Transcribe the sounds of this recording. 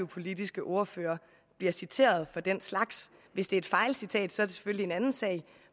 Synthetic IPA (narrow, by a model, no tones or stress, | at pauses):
ʊpʰo̝lid̥isɡ̥əʔo̝ɐføːɐ | b̥liɐsit͡sʰe̝̰ːɐð̞ˠfɒ̽d̥en̰slɑ̈ɡ̥s | ʋe̝sd̥e̝ɐe̝d̥fɑ̈ɪlsit͡sʰɛ̰ːd̥sɒ̽æɐɾe̝se̥føllie̝nænn̩sɛ̰ɪ